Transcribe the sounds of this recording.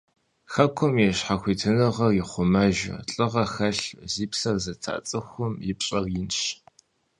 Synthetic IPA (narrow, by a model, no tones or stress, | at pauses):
xɐkʷʰɔmjɛɕħaxʷiːtʰɨnɨʁɐrjɪχʷʊmɐʒɐ̰ɬʼɨʁɐxɐɬziːpsɐrzɐtʰa̰ːt͡sʼɨxʷʊmjɪpɕʼɐrjɪnɕ